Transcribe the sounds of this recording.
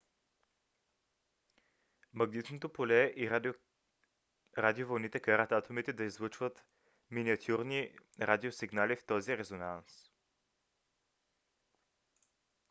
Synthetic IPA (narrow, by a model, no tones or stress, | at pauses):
mɐɡnit̪not̪opolɛʔi | ɾad̪iovɐlˠnit̪ɛkaɾət̪at̪omit̪ɛd̪ɐizvɤt͡ʃvət̪ | miniɐt̪ʲʰuɾniɾad̪ʲiosiɡnalift̪ɔziɾɛzonans